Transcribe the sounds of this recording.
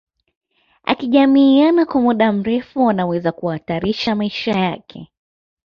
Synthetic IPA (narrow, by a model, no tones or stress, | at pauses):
a̰kiʄamiːanakwamuɗam̩ɾɛfuanawɛzakuaːtaɾiʃamaiʃajakʰɛ̰